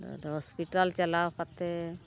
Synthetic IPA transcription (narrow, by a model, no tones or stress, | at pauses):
ɦɔspiʈalt͡ʃɛlawkat̪ɛ